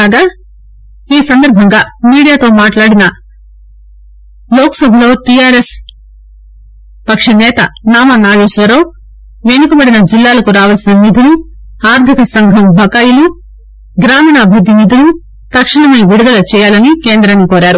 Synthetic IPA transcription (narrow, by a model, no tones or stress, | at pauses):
aːɡaː | iːsɐnd̪ɐɾbʱɐŋɡaːmiːɽijaːt̪o̞ːmaːʈlaːɽinɐ | loːksɐbloːʈijaːɾes | pɐkʂɐnɛːt̪ɐnaːmɐnaːjoːsʋɐɾoː | ʋenukubɐɽinɐd͡ʒilːaːlɐkuɾaːʋɐlsinɐmid̪ʱulu | aːɾt̪ʰikɐsɐŋɡʱɐmbʱɐkajulu | ɡɾaːmɐːnɐːbʱɐd̪ːinid̪ʱulu | t̪ɐkʂiɳɐmɐʋiɽud̪ɐlɐt͡ʃɛːjaːlɐnike̞ːnd̪ɾɐnːikoːɾaːɾu